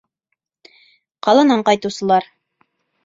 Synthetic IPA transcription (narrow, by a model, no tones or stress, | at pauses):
qɑlˠɑnɑɴqɑjt̪ɤ̆wsɤ̆lˠɑɾ